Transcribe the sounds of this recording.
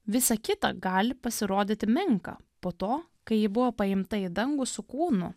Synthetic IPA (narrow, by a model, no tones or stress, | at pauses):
ʋʲɪsɐkʲɪt̪ɐ̰ɡɑːlʲɪpɐsʲɪɾoːd̪ʲɪt̪ʲɪmʲɪŋkɑ̰poːt̪oː | kɐɪjɪbʊʋoːpɐɪmt̪ɐɪd̪ɐŋɡʊsʊkuːnʊ̰